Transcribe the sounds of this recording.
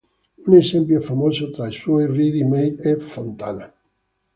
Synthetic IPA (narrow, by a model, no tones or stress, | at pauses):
unesɛmpjofamozot̪ɾaiswɔjrid̪imejlefont̪a̰na